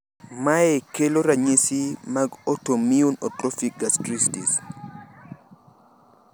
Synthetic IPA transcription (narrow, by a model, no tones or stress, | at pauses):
maekeloɾaɲesimaɡotomiunɔtɾɔfik̚ɡastɾistis